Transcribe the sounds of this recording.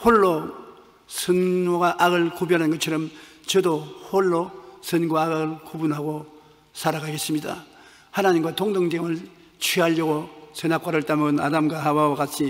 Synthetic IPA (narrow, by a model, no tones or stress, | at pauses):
hoɭːo | sʰɯnoɡaʔaɡɯɭkubjʌɾɦanɡʌt͡ɕʰʌɾʌm | t͡ɕʌdohoɭːosʌnɡoaːɡɯɯɭkubunɦaɡo | sʰaɾakʰaɡe̞s͈ɯmɲida̰ | hanaɲimɡwatoŋdoŋdeŋɯɭ | t͡ɕʰwiɦaʎjʌɡosʌnak̚k͈aɾɯɭt͈amɯna̰damɡwaɦawawakat͡ɕʰi